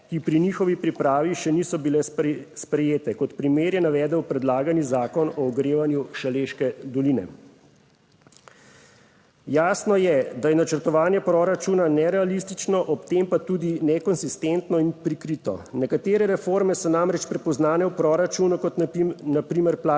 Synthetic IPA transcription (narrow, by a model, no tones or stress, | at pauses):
kipɾinixɔʋipɾipɾaːʋiʃɛniːsɔbilɛspɾɛjeːt̪ɛkɔt̪pɾimeːɾjɛnaʋɛːd̪ɛwpɾɛd̪laːɡanizaːkɔnɔːɡɾeːʋanjuʃaleːʃkɛd̪ɔlinɛ̰ | jaːsnɔjɛd̪ajɛnat͡ʃəɾt̪ɔʋaːnjɛpɾoɾat͡ʃuːnanɛɾɛalist̪it͡ʃnɔʔɔpt̪empat̪uːd̪inɛkɔnsist̪ent̪nɔinpɾikɾit̪ɔ̰nɛkat̪eːɾɛɾɛfoɾmɛsɔnamɾɛt͡ʃpɾɛpɔznaːnɛwpɾoːɾat͡ʃuːnukɔt̪napɾiːmɛɾpla